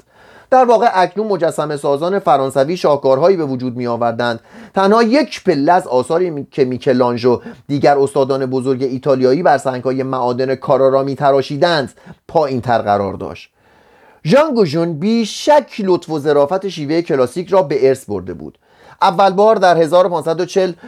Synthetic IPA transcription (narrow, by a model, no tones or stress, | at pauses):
d̪̥æɾvɒːɣeʔæcʰnuːnmo̞d͡ʒæsːæme̞sɒːzɒːne̞fæɾɒːnsæviːʃɒːhɡɒːɾɦɒːiːbe̞vod͡ʒuːd̪̚mijɒːvæɾd̪ænd̪̥t̪ʰænhɒːje̞cʰpʰe̞lːææzɒːsɒːɾiːcʰemiːcʰelɒːnd͡ʒod̪̥iːɟæɾo̞st̪ɒːd̪ɒːne̞bo̞zo̞ɾɟe̞iːt̪ʰɒːlijɒːiːbæɾsæŋɡhɒːje̞mæʔɒːd̪e̞nekʰɒːɾɒːɾɒːmiːt̪ʰæɾɒːʃiːd̪ænd̪̥pʰɒːʔiːnt̪ʰæɾɣæ̰ɾɒ̰ːɾd̪ɒ̰ːʃt̪ | ʒɒŋɡoʒunbiːʃæcʰlo̞t̪ʰfo̞ze̞ɾɒːfæt̪e̞ʃiːve̞jecʰe̞lɒːsiːcʰrɒːbe̞ʔeɾsbo̞ɾd̪e̞̰bṵːd̪̥ | ʔævːælbɒːɾd̪æɾhe̞zɒːɾo̞pʰɒːnsæd̪o̞t͡ʃʰe̞l